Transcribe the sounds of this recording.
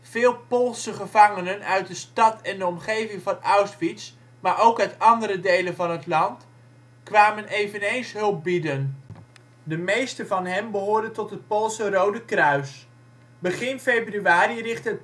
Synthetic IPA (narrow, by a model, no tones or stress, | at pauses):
v̥ɪːlˠpolˠsəχəvɑŋənənœɥt̚dəstɑtɛndəɔmχejvɪŋvɑnawsfits | maːɹowkœɥtɑndəɾədejlənvɑnɦətlɑnt | kʋaːmənejvənejnsɦɵlˠp̚bidən | dəmejstəvɑnɦɛmbəɦʊːɹdəntɔtɦət̚polˠsərowdəkrœɥs | bəχɪnfejbryaːɾirɪχtət